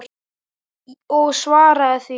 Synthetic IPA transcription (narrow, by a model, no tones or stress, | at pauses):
ɔɣsvaːɾaθi